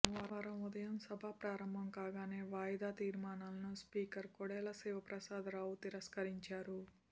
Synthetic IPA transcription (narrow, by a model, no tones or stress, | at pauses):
ʋaːɾɐmud̪ɐjɐmsɐbʱapɾaːɾɐmbʱɐmkaːɡaːneːʋaːjd̪aːt̪iːɾmaːnaːlɐnuspiːkɐɾkɔɽɛːlɐsɛːʋɐpɾɐsaːd̪ɾaːwut̪iɾɐskɐɾiɲt͡ʃaːɾu